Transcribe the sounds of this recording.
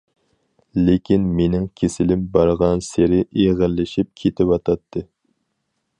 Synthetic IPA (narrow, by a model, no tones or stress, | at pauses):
lekʲinmenɪŋkʲʰesɪlɪmbɑɾʁɑnseɾɪʔeʁəɾlɪʃip̚kʲʰet̪ʰɪpwɑt̪ʰɑt̪ʰːɨ